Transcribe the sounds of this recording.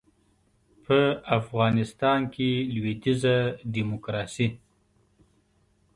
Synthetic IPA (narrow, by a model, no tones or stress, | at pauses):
pʰəafɣɑnɪst̪ɑnkelwed̪izadimʊkɾɑsi